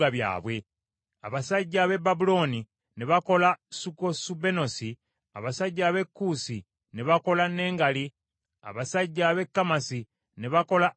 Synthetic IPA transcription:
aβja̰ːβwe̞ | a̰βasaɟːaβe̞babulo̞ni | neβako̞lasukosube̞no̞si | a̰βasaɟːaːβe̞kːusi | ne̞βako̞lane̞ːŋɡali | a̰βasaɟːaβe̞kːamasi | ne̞βako̞la

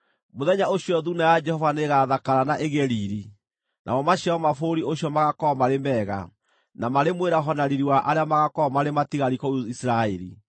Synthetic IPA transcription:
moðɛɲaoɕiɔðunajad͡ʒɛhɔvaneɣaðakaɾanaʔeɣɛɾiɾi | nʔa̰mɔmaɕjaɔmafoɾioɕjɔmaɣakɔmaɾemɛːɣa̰ | namaɾemweɾaɦɔnaɾiɾiwaʔaɾeamaɣakɔmaɾematiɣaɾikɔuisiɾaɛɾḭ

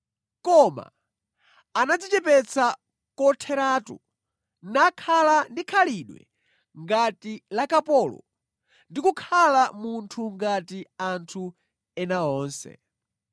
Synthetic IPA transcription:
kɔma̰ | anad͡zit͡ʃɛpɛt͡sʰa | kɔtʰɛɾaːtṵ | nakʰalandikʰaliɗwɛ̰ | ŋɡatilakapɔlɔ̰ | ndikukʰalamuntʰuŋɡatiantʰu | ɛnaɔːnsɛ̰

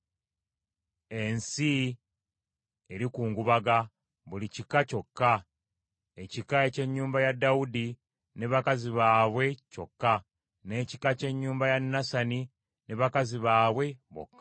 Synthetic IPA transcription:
e̞nsi | eɾikuːŋɡuβaɡa | βulicikaco̞kːa | e̞cikae̞ce̞ɲːuːmbajadːaudi | ne̞βakaziβaːβwe̞co̞̰kːa | ne̞ːci̥kace̞ɲːuːmbajanːasani | ne̞βakaziβaːβwe̞βo̰kːa

